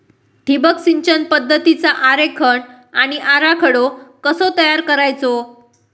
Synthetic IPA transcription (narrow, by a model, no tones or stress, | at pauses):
t̪ibəksiɲt͡ɕənpəd̪ʱːət̪it͡saʔaɾekʰəɳ | aɽ̃iʔaɾakʰəɽokəsot̪əjaɾkəɾajt͡so